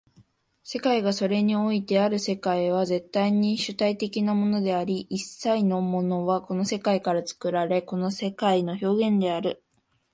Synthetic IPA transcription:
se̞kaiɡaso̞ɾe̞ɲ̟io̞it̪e̞aɾɯ̟se̞kaiβ̞aze̞t̪ːaiɲ̟iɕɨt̪ait̪e̞kʲinamo̞no̞d̪e̞aɾʲiʔːsːaino̞mo̞no̞βako̞no̞se̞kaikaɾat͡sɨ̥kɯ̟ɾaɾe̞ko̞no̞se̞kaino̞ço̞ːɡẽ̞nd̪e̞aɾɯ̟

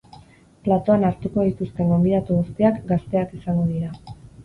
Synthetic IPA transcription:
plat̪o̞anaɾt̪uko̞ðit̪ust̪e̞ŋɡo̞mbiðat̪uɣust̪iakɡast̪e̞akisaŋɡoðiɾa

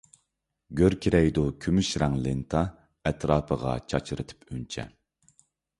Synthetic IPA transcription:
ɡʲøɾkʲʰiɾɛjd̪ukʲʰymyʃɾɑŋlɪnt̪ʰɑ | ɛt̪ʰɾɑːpʰəʁɑ̰t͡ʃʰɑt͡ʃʰɨɾɨt̪ʰɨ̥pʰynt͡ʃʰɛ̰

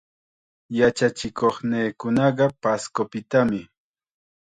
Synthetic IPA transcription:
jat͡ʃat͡ʃɪkoχneːkʊnɑɢɑpaskopɪt̪amɪ

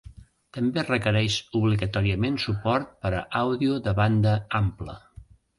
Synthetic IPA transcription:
t̪əmberəkəɾɛʃuβliɣət̪ɔɾiəmensupɔɾt̪̚pəɾəʔawðiuðəβand̪əamplə̰

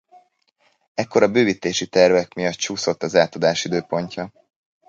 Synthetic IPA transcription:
ɛkːo̞ɾɒbøːvit̪eːʃit̪ɛrvɛkmijɒt̪t͡ʃuːso̞t̪ːɒzaːt̪od̪aːʃid̪øːpo̞ɲcɒ

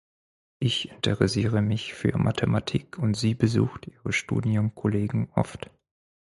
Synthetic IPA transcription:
ʔɪçɪntʰəʁɛsiːʁ̞əmɪçfy̰ːɐmʔa̰tʰematʰiːkʰʊntz̥iːbəzṵːxtʔiːʁəʃtṵːdiʊmkʰɔleːɡŋ̩ʔɔ̰ft

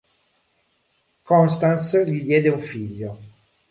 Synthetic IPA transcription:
kɔnst̪ansʎid̪jɛːd̪euɱfiʎːo

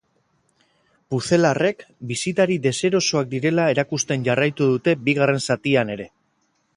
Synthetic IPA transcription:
buθe̞lare̞kbisit̪aɾid̪e̞se̞ɾo̞soak̚d̪iɾe̞lae̞ɾakust̪e̞nʝarajt̪uðut̪e̞biɣare̞nsat̪iane̞ɾe̞

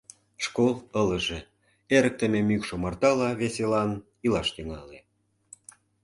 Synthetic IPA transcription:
ʃkolələ̆ʒe | eɾə̆k̚t̪ə̆memykʃomɑrt̪ɑlɑβeselɑn | ilɑʃt̪yŋɑle

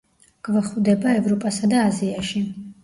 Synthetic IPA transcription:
ɡ̥vɛχvd̪ɛbaɛvɾɔpʼasad̪aːziaʃi

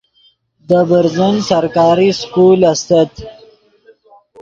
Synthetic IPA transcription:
d̪əbəɾzunsɐɾkɑːɾiskuːlɐst̪ɐt̪

